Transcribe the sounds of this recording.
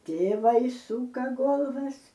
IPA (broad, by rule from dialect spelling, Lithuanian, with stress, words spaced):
ˈtʲeːʋɐɪ ˈsuːkɐ ˈɡoːlˠʋɐs